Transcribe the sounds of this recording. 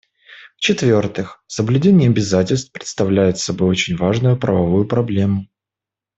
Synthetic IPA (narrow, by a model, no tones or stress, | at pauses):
ft͡ɕɪt̪vʲo̞rt̪ɨxsəblʲʉdʲenʲɪjɐbʲɪzatʲɪlʲst̪pɾʲɪt̪st̪ɐvlʲæjɪt̪sɐbo̞jo̞t͡ɕɪnʲvaʐnʊjʊpɾə̰vɐvujʊpɾɐblʲe̞mʊ